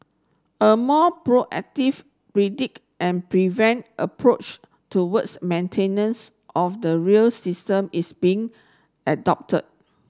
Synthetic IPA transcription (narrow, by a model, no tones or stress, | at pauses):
əmɔpɹoʔɛ̰k̚tiv | pɹidik | ʔɛ̃npɹivɛ̃ntʔəpʰɹot͡ʃ | tuwətsmẽntʰẽnə̃ns | ʔɔfdəɹiəlsistə̃misbiɪ̃ŋ | ədɔp̚tʰə̰d̚